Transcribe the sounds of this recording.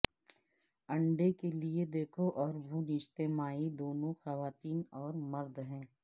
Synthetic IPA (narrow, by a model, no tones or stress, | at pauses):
ɐ̃ɳɖekelied̪eːkʰoʔɔːɾbʱuːnɪʃt̪eːmaːid̪oːnõxɐʋaːt̪iːnɔːɾmɐɾd̪ɦɛ̃ː